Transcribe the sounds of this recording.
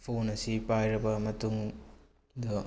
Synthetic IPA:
pʰonɐsipajɾɐbɐmɐtuŋ | dɐ

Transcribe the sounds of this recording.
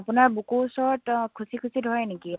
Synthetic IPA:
apʊnaɹbukusɔɹɔtkʰusikʰusidʱɦɔjneki

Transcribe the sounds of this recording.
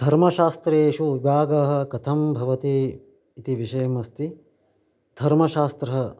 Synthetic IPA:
d̪ʱɐɾmɐʃaːst̪ɾeːʃubaːɡɐɦɐ̆kɐt̪ʰɐmbʱɐʋɐt̪iː | t̪iʋiʃɐjɐmɐst̪i | d̪ʱɐɾmɐʃaːst̪ɾɐɦɐ

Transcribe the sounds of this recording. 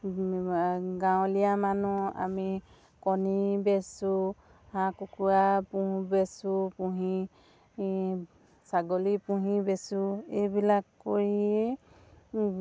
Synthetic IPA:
ɡawlijamanua̰mi | kɔnibesu | hãkukʰuapũbesupuɦi | saɡɔlipuɦĩbesuejbilakːoɹie

